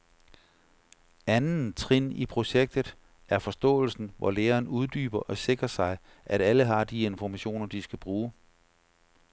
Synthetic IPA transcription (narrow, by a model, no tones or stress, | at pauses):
ænn̩t͡sʰʁin̰ipʰʁo̝ɕeɡ̥̚d̥ð̩ˠ | æɐfɒ̽sd̥ɔ̰̽ːl̩sn̩ʋʔɒ̰leːɐːnuð̞ˠd̥y̰ːb̥ɐʔɒ̽se̝ɡ̥ʁɐsɑ̈ɪ | ʔæɾ̥æləɦɑ̈d̥ie̝nfɒmæɕo̝̰ːnɐd̥isɡ̥æb̥ʁuː